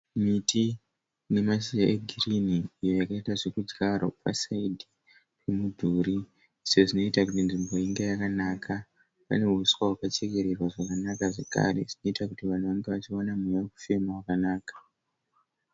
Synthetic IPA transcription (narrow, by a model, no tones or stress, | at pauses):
mitʰi | ne̞mas̬iaʔe̞ɡʱiriniːjo̞jakaitaʐe̞kud͡zɡaɾo̰pa̰saidʱi | pʰemudʱuːɾi | seʐino̞itakutinʐimbo̞iŋɡejakanaːkʰa | pa̰ne̞ɦuswaɦwakat͡ʃeɡe̞ɾe̞rwaʐakanakaʐe̞ka̰re̞̰ʐino̞itakutiʋan̤uʋaŋɡe̞ʋat͡ʃiwanamujaeku̥fe̞mawakanaːkḁ